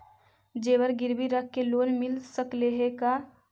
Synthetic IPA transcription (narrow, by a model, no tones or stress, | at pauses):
d͡ʒebəɾɡiɾbiɾək̚ʰːeloːnmilsəkleɦeka